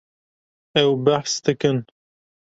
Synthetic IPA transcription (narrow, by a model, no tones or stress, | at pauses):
ɛwbaħsd̪ɨkɨn